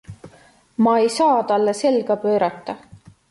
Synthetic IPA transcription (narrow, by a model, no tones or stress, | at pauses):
mɑejsɑːt̪ɑlːese̞lɡ̥ɑpø̞ːɾɑt̪ˑːɑ